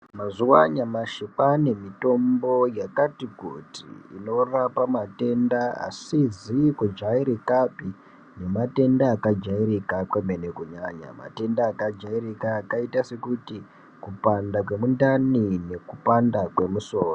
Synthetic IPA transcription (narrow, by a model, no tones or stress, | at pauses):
mazuwa̰ɲamaʃipane̞mito̞mbo̞jakatiɡʱutḭḭno̞rapamate̞ndaa̰sizikud͡ʒaiɾikapi | ne̞mate̞ndaːkad͡ʒaiɾikakweme̞ne̞kuɲaɲa̰ma̰te̞ndaːkad͡ʒairikaːkaitase̞kuti | kupandak̬we̞mundanine̞kupandakwe̞muso̞ːro